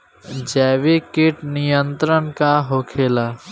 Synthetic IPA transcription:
d͡ʒɛːʋikɪʈnijə̃nt̪ɾənkaɦoːkʰeːlaː

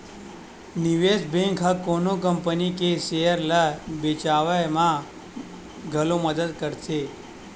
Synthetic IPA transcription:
niʋesbẽŋkʰɦakonok̬əmpənikeʃejəɾlabet͡ʃaʋəjmã | ɡʱəloməd̪əd̪kəɾse

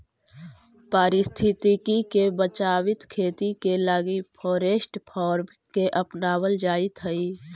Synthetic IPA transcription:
paːɾɪst̪ʰɪt̪ikikebət͡ʃaːwɪt̪kʰeːt̪ikelaːɡipʰɔːɾeːsʈpʰɔːɾm | keʔəpnaːwəld͡ʒaːit̪ʰɦəi

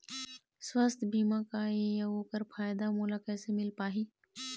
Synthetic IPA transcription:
swəst̪ʰbiːmãkajejaoːkəɾfʰaːjd̪amuːlakɛːsemɪlpaːɦiː

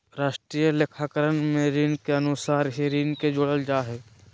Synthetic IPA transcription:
ɾaːʃʈɾiːjəlekʰaːkəɾənmẽɾiːnkeənʊsaːɾɦiɾiːnked͡ʒoɽəld͡ʒaːɦeː

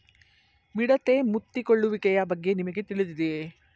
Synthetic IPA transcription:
miɽɐt̪emut̪ːikoɭːuʋikɛjɐbɐɡːe̞nimɐɡet̪iɭid̪id̪e

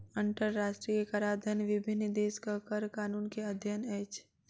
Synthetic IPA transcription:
əɳʈəɾːaːʃʈɾiekaɾaːd̪ʱənʋɪbʱɪnːəd̪eːskəkəɾkaːnuːnkeɐd̪ʱjəneːt͡ʃ

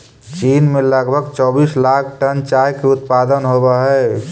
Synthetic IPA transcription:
t͡ʃiːnmeləɡbʱəɡt͡ʃɔbiːslak̚ʰʈənt͡ʃajkeʊt̪̚pad̪ənɦobaɦɛ

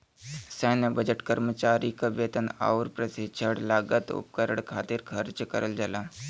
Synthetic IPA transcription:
sɛːnəbəd͡ʒəʈkəɾmət͡ʃaːɾikəbjet̪əna̰ːuɾpɾəsit͡ʃʰəɽlaːɡət̪ṵpkəɾəɽ̃kʰaːt̪iɾkʰɐɾt͡ʃkəɾəld͡ʒalaː

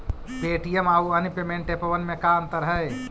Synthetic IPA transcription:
peːʈijəmaːuɐnipemẽːɳʈepɐʋɐnmẽkaɐnt̪əɾɦɐj

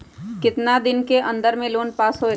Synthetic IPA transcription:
kɪt̪nad̪ɪnkeʔɐ̃nd̪əɾmẽloːnpaːsɦoː

